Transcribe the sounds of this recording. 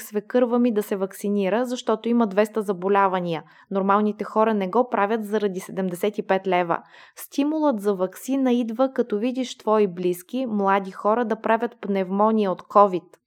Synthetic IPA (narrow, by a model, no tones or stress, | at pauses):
svɛkɤɾvəmid̪ɐsɛvɐksiniɾəzɐʃt̪ɔt̪oimɐd̪vɛst̪əzɐbolʲavɐnʲiə | noɾmalˠnit̪ɛxɔɾɐnɛɡɔpɾavʲət̪zɐɾɐd̪isɛd̪ɛmd̪ɛsɛt̪ipɛt̪lɛvə̰ | st̪imulˠət̪zɐvɐksinəid̪vəkɐt̪ɔvid̪iʃt̪vɔibliskʲimlˠad̪ixɔɾəd̪ɐpɾavʲjət̪pnɛvmɔnʲiəot̪kʰɔvit̪